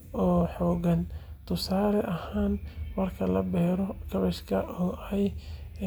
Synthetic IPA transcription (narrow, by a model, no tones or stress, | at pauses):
ʔɔːħɔːɣɐnt̪ʰʊsaːlɛʔɐhaːnmɐrkʰɐlɐbɛːɾɔkʰɐβɛʃkʰɐʔɔːɛj